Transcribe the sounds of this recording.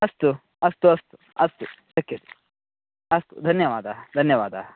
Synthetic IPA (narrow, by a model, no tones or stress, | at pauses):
ɐst̪u | ɐst̪uɐst̪u̥ | ɐst̪ut͡ʃɐkːjɐt̪i̥ | ɐst̪ṵd̪ʱɐnjɐʋaːd̪ʱad̪ʱɐnjɐʋa̰ːd̪ʱa